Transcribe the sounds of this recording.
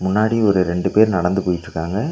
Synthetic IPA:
mʊnːaːɽiɔɾɯɾɛɳɖɯpeːɾnɐɽɐnd̪ɯpoːjɪʈːɾɯkːaːŋɡɐ

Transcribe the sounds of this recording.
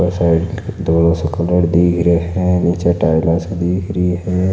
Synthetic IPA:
əsaɪɖd̪oːlõsekələɽd̪ikʰɾeɦɛ̃nit͡ʃeʈaːɪlased̪iːkʰɾəiɦɛ̃

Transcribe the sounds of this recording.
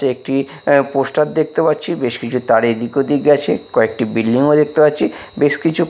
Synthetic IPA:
eek̚ʈi | posʈat̪̚d̪ek̚t̪epatːɕʰibeʃkit͡ɕʰut̪aɽed̪ikod̪ikɡɛt͡ɕʰḛkɔek̚ʈibilɖiŋod̪ek̚t̪epatːɕʰibeʃkit͡ɕʰu

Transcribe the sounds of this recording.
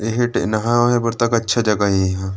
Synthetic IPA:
eɦeʈenɐɦãɦɛ̃bɐɾt̪ɐkɐtːʃʰad͡ʒɐɡaeɦã

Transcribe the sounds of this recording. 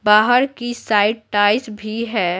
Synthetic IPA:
baːɦəɾkisaːɪʈ̚ʈaːɪsbʱiɦɛː

